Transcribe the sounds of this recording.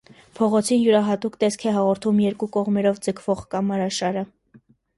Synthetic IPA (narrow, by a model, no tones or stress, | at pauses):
pʰɔʁɔt͡sʰinjuɾɑɦɑt̪ukt̪ɛskʰɛɦɑʁɔɾt̪ʰumjɛɾkukɔʁmɛɾɔvd͡zəkʰv̥ɔʁkɑmɑɾɑʃɑɾə